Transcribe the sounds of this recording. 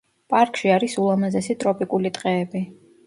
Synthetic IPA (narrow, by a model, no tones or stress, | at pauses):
pʼaɾkʼʃiaɾisulˠamazɛsit̪ʼɾɔpʼikʼulit̪ʼqʼɛːbi